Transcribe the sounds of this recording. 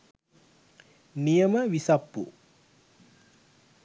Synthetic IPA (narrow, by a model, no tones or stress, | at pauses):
nijəməʋisapːṵ